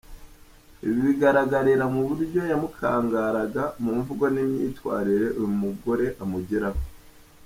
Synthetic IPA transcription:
iβiβiɡaɾaɡaɾiɾamuβuɾɟo̞jamukʰaːŋɡaɾaɡamumivuɡwanimɲḭːtwa̰ːɾiɾe̞ʔujumuɡo̞ɾe̞ʔamuɟiɾaho

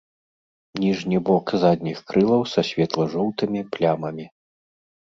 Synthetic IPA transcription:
nʲiʐnʲibɔkzad̪ʲnʲixkɾɨlˠɐwsɐsʲvʲɛt̪lˠɐʐɔwt̪ɨmʲiplʲamɐmʲi

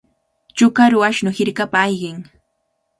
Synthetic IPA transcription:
t͡ʃʊkaɾʊaʃnʊhɪɾkapaːjɢɪŋ

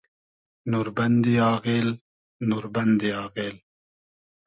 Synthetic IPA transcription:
nuɾbɐnd̪iɑːɣeːl | nuːɾbɐnd̪iɑːɣeːl

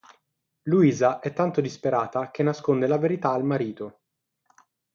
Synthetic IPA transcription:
luiːzaʔɛt̪ːant̪od̪ispeɾaːt̪ak̟enːaskond̪elaveɾit̪aːlmaɾiːt̪o

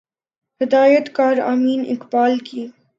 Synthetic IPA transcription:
həd̪ɑːjɛt̪kɑːɾɑ̰minḭkpɑːlki

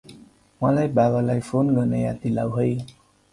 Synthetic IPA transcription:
mãlajbaɣalajfonɡənejat̪ila̰wɦəj

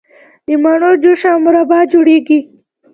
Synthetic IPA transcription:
d̪imaɳod͡ʒuʃamuɾabɑd͡ʒuɽeɡi

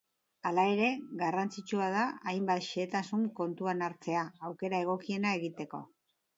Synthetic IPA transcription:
alae̞ɾe̞ɣarant͡sit͡ʃuað̞aajmbat̪ʃeːt̪asuŋko̞nt̪uanaɾt͡se̞aːwke̞ɾae̞ɣ̞o̞kie̞nae̞ɣit̪e̞ko̞̰

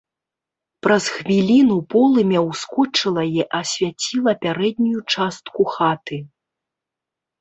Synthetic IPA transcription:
pɾɐsxvʲilʲinupɔlˠɨmʲɛwskɔt͡ʂɨlˠɐjɛʔɐsʲvʲat͡sʲilˠɐpʲaɾɛd̪̚ʲnʲujut͡ʂast̪kuxat̪ɨ

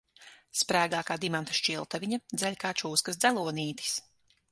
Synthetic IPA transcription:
spɾæːɡaːkaːd̪imant̪ḁʃt͡ʃilˠt̪aviɲad̪zɛʎʲkaːt͡ʃuːskasd̪zælˠuɔniːt̪i̥s

